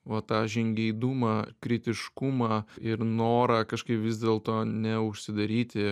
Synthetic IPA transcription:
ʋɐt̪ɑːʒʲɪŋʲɡʲɛɪd̪ʊmɑːkɾʲɪt̪ʲɪʃkʊmɑːɪɾnoːɾɑːkɐʃkɐɪpʋʲɪzʲd̪ʲeːlˠt̪oːnʲɛʊʃʲsʲɪd̪ɐɾʲiːt̪ʲɪ

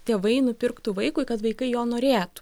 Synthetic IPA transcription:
t̪ʲeːʋɐɪnʊpʲɪrkt̪ʊʋɐɪkʊɪkɐt̪ʋɐɪkɐɪjoːnoːɾʲeːt̪ʊ̥

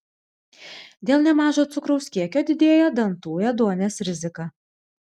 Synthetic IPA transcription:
d̪ʲeːlˠnʲɛmɑːʒoːt̪sʊkɾɔʊsʲkʲiɛkʲoːd̪ʲɪd̪ʲeːjoːd̪ɐnt̪uːjɛd̪uɔnʲeːsɾʲɪzʲɪkɑː

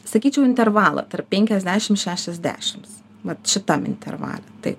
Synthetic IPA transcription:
sɐkʲiːt͡ʃʲɛʊɪnʲt̪ʲɛrʋɑːlˠɐ̰t̪ɐrp̚ʲpʲɛŋʲkʲɛzʲd̪ʲæːʃʲɪmʃʲæːʃʲɛzʲd̪ʲæ̰ːʃʲɪms | ʋɐt̪ʃʲɪt̪ɐmɪ̰nʲt̪ʲɛ̰rʋɑ̰ːlʲɛt̪ɐɪ

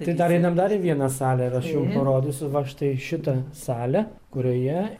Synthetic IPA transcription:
t̪ɐɪd̪ɐɾɛɪnɐmd̪ɐɾiʋʲiɛnɐsɑːlʲɛɪɾɐʃjʊmpɐɾoːd̪ʲʊsʲʊʋɐʃt̪ɐɪʃʲɪt̪ɐsɑːlʲɛ | kʊɾʲoːjɛ

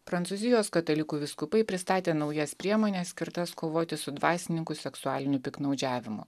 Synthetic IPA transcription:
pɾɐnt̪suzʲɪjoːskɐt̪ɐlʲɪkuːʋʲɪskʊpɐɪpʲɾʲɪst̪ɑːt̪ʲeːnɒʊjɛspʲɾʲiɛmoːnʲɛssʲkʲɪɾt̪ɐskoːʋoːt̪ʲɪsʊd̪ʋɑːsʲɪnʲɪŋkʊsʲɛksʊɑːlʲɪnʲʊpʲɪknɐʊd͡ʒʲæːʋʲɪmʊ̰

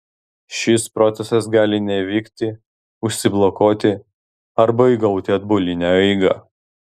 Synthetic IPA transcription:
ʃʲɪspɾɔt̪sʲɛsɐsɡɑːlʲɪnʲɛʋʲɪːkt̪ʲɪ | ʊʃʲsʲɪblˠɔkoːt̪ʲɪ | ɐɾbɐɪɡɐʊt̪ʲɪɐd̪bolʲɪnʲæɛɪɡɐ

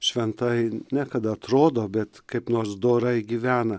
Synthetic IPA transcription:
ʃʲʋʲɛnt̪ɐɪnʲækɐd̪ɐɐt̪ɾoːd̪oːbʲɛt̪kɐɪpnoːɾsd̪oːɾɐɪɡʲiːʋʲæːnɐ

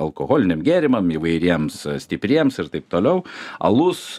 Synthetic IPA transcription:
ɐlˠkoːɣoːlʲɪnʲɪmɡʲæːɾʲɪmɐmiʋɐɪɾʲiɛmssʲt̪ʲɪpʲɾʲiɛmsɪɾt̪ɐɪp̚t̪oːlʲɛʊɐ̰lˠʊs

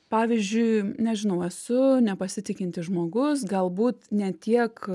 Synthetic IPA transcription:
pɑːʋʲizʲd͡ʒʲʊɪnʲɛʒʲɪnɐʊɛsʊnʲɛpɐsʲɪt̪ʲɪkʲɪnʲt̪ʲɪʒmoːɡʊs̬ɡɐlˠbuːt̪nʲɛt̪ʲiɛk

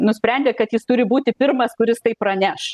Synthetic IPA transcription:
nʊsʲpʲɾʲɛnʲd̪ʲeːkɐt̪jɪst̪ʊɾʲɪbuːt̪ʲɪpʲɪrmɐskʊɾʲɪst̪ɐɪpːɾɐnʲæːʃ

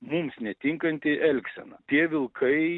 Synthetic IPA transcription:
mumsnʲɛt̪ʲɪŋkɐnʲt̪ʲɪʔɛlʲksʲɛ̰nɐt̪ʲiɛʋʲɪlˠkʰɐɪ

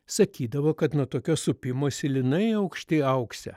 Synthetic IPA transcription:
sɐkʲiːd̪ɐʋoːkɐt̪nuɔt̪oːkʲoːsʊpʲɪmoːsʲɪlʲɪnɐɪɐʊkʃʲt̪ʲɪɪɐʊksʲɛ̰

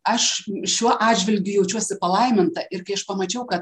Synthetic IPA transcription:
ɐʃʃʲuɔʔɑːdd͡ʒʲʋʲɪlʲɡʲʊjɛʊt͡ʃʲuɔsʲɪpɐlˠɐɪmʲɪnt̪ɐʔɪrkɐɪɐʃpɐmɐt͡ʃʲɛʊkɐt̪̚

